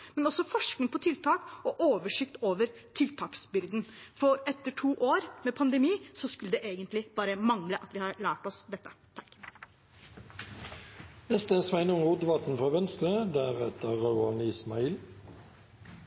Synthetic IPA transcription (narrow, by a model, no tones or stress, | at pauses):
mɛnɔsːɔfɔʂknɪŋpʰɔt̪ʰɪlt̪ʰɑːkɔʔoːʋəʂɪkt̪oːʋəɾt̪ʰɪlt̪ʰɑːksbʏɾd̪n̩fɔɾɛt̪ːəʈʰuːʔoːɾmɛːpʰɑnd̪əmiːsɔskʉləd̪ɛʔeːɡənt̪lɪb̥ɑːɾəmɑŋləʔɑt̪ʋɪhɑɭæːʈɔsd̪ɛt̪ːə̥t̪ʰɑ̥kː | nɛst̪əɛsmæɪnʊŋud̪ʋɑt̪n̩fɾɑːʋɛnst̪ɾəd̪æʁɛt̪əʁɑʉɑniːsmɑiːl